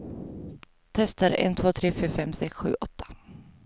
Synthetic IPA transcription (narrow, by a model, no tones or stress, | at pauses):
t̪ʰɛst̪aɾɛ̰nt̪ʰvoːt̪ʰɾeːfyːɾfɛmsɛksɧʉ̟ːʔɔt̪ʰːḁ